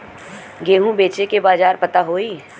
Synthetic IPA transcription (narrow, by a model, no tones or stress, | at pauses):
ɡeːɦũbeːt͡ʃekebaːd͡ʒaːɾpɐt̪aɦoːiː